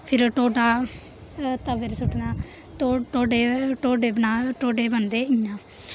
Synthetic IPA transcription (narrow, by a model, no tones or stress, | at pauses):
pʰɪɾʈoːɖaː | t̪əʋəɾsʊʈʰnaː | t̪oʈoːɖeːʈoːɖeːbənaːʈoːɖeːbənd̪eːijãː